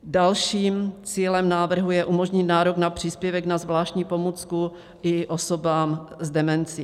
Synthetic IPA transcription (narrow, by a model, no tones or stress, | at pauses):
dalʃiːmt͡siːlɛmnaːvr̩ɦujɛʔumo̞ʒɲɪt̪naːɾoɡnapr̝̥iːspjɛvɛɡnazvlaːʃc̪ɲiːpo̞mut͡sku | ʔɪʔoso̞baːmzdɛmɛnt͡si